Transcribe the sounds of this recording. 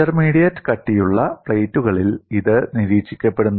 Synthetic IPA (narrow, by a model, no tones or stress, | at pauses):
ɐrmiːɽijɐtːɨ̥kɐʈːijuɭːɐpɭejtːuɣɐɭiliðɨniɾiːt͡ɕi̥kʲːɐpːe̞ɽunː